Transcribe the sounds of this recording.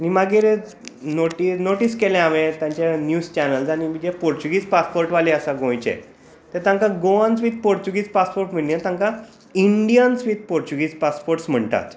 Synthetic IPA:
añimaɡiːɾ | noʈinoʈiːskɛlɛ̃amẽt̪jãɲt͡ɕjanjuːst͡ɕɛnəlsañimid͡ʑepoɾt͡ɕuɡiːspaspoɾʈʋalĩəsaɡõjt͡ɕḛ | t̪eɾt̪ãŋkaɡoãnsʋiːt̪̚poɾt͡ɕuɡiːt͡spaspoɾʈm̤iɽiat̪ãŋka | iɳɖijənsʋiːt̪̚poɾt͡ɕuɡiːd͡zpaspoɾʈsm̤əɳt̪a̰t̪

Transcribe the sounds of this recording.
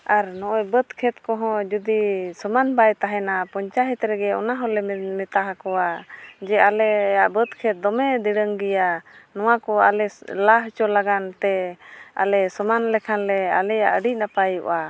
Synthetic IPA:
ʔaɾnɔʔɔjbət̪kʰɛt̪̚kɔɦɔ̃d͡ʒud̪isəmanbajt̪aɦɛnapɔɲt͡ʃaɦit̪ɾɛɡɛɔ̰naɦɔlɛmɛt̪aɦakɔwad͡ʒɛalɛjaʔbət̪kʰɛt̪̚d̪ɔmɛd̪iɽəŋɡijanɔwakɔalɛlaɦt͡ʃɔlaɡant̪ɛa̰lɛsɔmanlɛkʰanlɛalɛjaʔəɖic̚napajṵʔa

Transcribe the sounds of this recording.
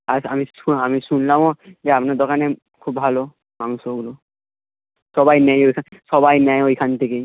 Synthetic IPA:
asa̰misuamisunlamod͡ʒeapnad̪okane | kʰubbʱalo | manusoɡulo | ʃɔbajnɛjojkʰaʃɔbajnɛjojkʰant̪ʰekej

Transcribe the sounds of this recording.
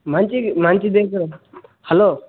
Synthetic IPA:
m̤ant͡ʃim̤ant͡ʃiːd̪ekɾhɛlo

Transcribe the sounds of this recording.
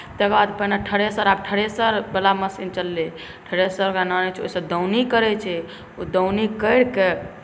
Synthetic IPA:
t̪ekbad̪pəɦnaʈʰəɽesəɾab̚ʈʰəɽesəɾbəlaməsint͡ʃəlːe | ʈʰəɽesəɾɡananɛt͡ʃʰo̰səd̪əwnikəɾɛt͡ʃʰɛ | od̪əwnikəjɽke

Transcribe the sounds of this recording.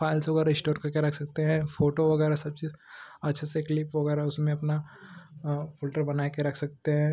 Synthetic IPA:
fʰaːɪlsʋɐɣɛːɾaɪsʈoːɾkakjaɾɐkʰsɐk̚t̪eɦɛ̃foːʈoʋɐɣɛːɾasɐb̚t͡ʃiːzɐtːʃʰeseklɪpʋɐɣɛːɾaɦɛʊsmẽɐpna | fɪlʈəɾbɐnaːkeɾɐkʰsɐk̚t̪eɦɛ̃ː

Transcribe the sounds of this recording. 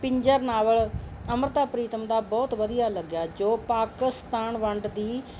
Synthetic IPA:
pɪɲd͡ʒəɾnaːʋəɭəmɾət̪aːpɾiːt̪əmd̪aːbɔːt̪ʋəd̪ijaːləɡjaːd͡ʒoːpaːkɪst̪aːnʋəɳɖd̪iː

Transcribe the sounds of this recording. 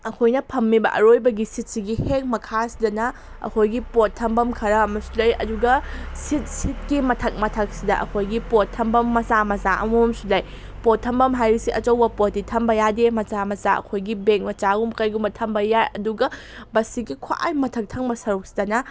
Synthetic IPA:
ɐkʰojnɐpʰɐmːibɐ̰ʔɐ̰ɾojbɐɡisit̚siɡiheŋ̚mɐkʰasidɐnɐ | ɐ̰kʰojɡipotʰːɐmbɐmkʰɐɾɐːmɐsulɐjɐ̰duɡɐsit̚sit̚kimɐtʰɐk̚mɐtʰɐk̚sidɐʔɐ̰kʰojɡipotʰːɐmbɐmːɐzamɐzaʔɐ̰mumsulɐj | potʰːɐmbɐmɦajɾisiʔɐt͡ʃɐwbɐpotːitʰɐmbɐjademɐzamɐzaɐ̰kʰojɡibeŋk̚mɐt͡ʃaɡumkɐjɡumbɐtʰɐmbɐjajɐduɡɐbɐsiɡikʰoʔa̰jmɐtʰɐk̚tʰɐŋbɐsɐɾuk̚si̥dɐnɐ

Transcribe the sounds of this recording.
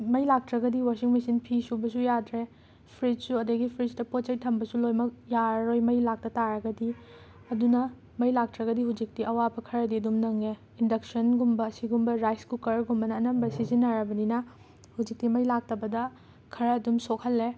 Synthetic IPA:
mɐjlak̚tɾɐɡɐdiwasiŋmisinpʰisubɐs̬ujadɾe | pʰɾit̚suɐdɐɡipʰɾisdɐpot̚t͡ʃɐjtʰɐmbɐsulojmɐk̚jaɾɐɾojmɐjlak̚tɐtaɾɐɡɐdi | ɐdunɐ | mɐjlak̚tɾɐɡɐdihud͡ʒik̚tiɐwabɐkʰɐɾɐdiɐdumnɐŋe | indɐk̚sɐnɡumbɐːsiɡumbɐɾajskukɐɾɡumbɐnɐːnɐmbɐsizinːɐɾɐbɐninɐ | hud͡ʒik̚timɐjlak̚tɐbɐdɐ | kʰɐɾɐːdumsokʰhɐlːe

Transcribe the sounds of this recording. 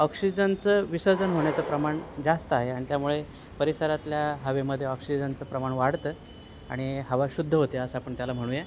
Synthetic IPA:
ɔksid͡ʑənt͡səːʋisəd͡zənɦoɳjat͡səpɾəmaɳd͡zast̪əaɦeaɽ̃it̪jamuɭe | pəɾisəɾat̪ljaɦəʋeməd̪ʱːjeɔksid͡zənt͡səpɾəmaɳʋaɽt̪ə | a̰ɽ̃iɦəʋaɕud̪ʱːəɦot̪eəsapəɳt̪jalam̤əɽ̃ũːje

